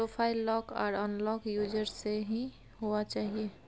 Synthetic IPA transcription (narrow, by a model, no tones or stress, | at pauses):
pɾopʰaːɪlːɔːkɔ̰ːɾɔnlɔkjuːd͡ʒəɾseɦi | ɦoat͡ʃaːɦie